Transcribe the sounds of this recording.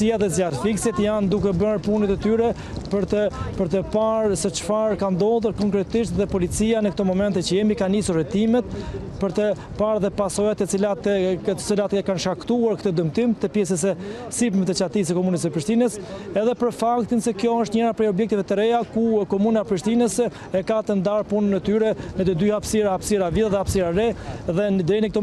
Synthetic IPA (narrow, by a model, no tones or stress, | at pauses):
iaðɛzjatfiksit̪jand̪ukɛbəɾpunɛt̪ɛt̪yɾɛ | pəɾt̪əpəɾt̪əpaɾsɛt͡ʃfaɾkand̪ɔðuɾkɔŋkɾɛt̪iʃt̪ðɛpɔlit͡sianəkt̪ɔmɔmɛnt̪ɛt͡ɕəjɛmikanisuɾːɛt̪imɛt̪̚ | pəɾt̪ə | paɾðɛpasɔjat̪ɛt͡silat̪t̪t͡silat̪kanʃkakt̪uaɾkt̪əd̪əmt̪imt̪əpjɛsɛs̬ɛsipmɛt̪ɛt͡ɕat̪is̬əkɔmunəsəpɾiʃt̪inəsɛðɛpəɾfakt̪insɛkjɔəʃt̪ɲɛɾapɾɛjɔbjɛkt̪ivɛt̪əɾɛjakukɔmunapɾiʃt̪inəs | ɛkat̪ənd̪aɾpunənːət̪yɾɛnət̪əd̪yhapsiɾaapsiɾaviððɛhapsiɾaɾɛðɛnəd̪ɾɛjnək̚t̪ɔ